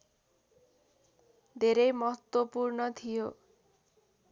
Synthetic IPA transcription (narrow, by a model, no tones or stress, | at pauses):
d̪ʱeɾʌjmʌɦʌt̪wʌpurnʌt̪ʰijo